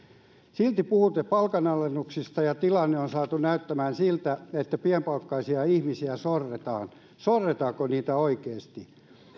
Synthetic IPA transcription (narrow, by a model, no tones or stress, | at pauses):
silt̪ipuhut̪ːepɑlkɑnɑlːenːuksist̪ɑjɑt̪ilɑnːeonsɑːt̪unæyt̪ːæmæːnsilt̪æet̪ːæpiempɑlkːɑisiɑihmisiæsorːet̪ɑ̰ːn | sorːet̪ɑːkoniːt̪æoikeːst̪i